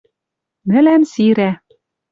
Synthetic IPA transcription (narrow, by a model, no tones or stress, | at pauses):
nɘ̆læmsiɾæ